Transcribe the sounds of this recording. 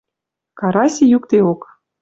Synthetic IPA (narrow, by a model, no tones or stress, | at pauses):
kɑɾɑsʲejukt̪eok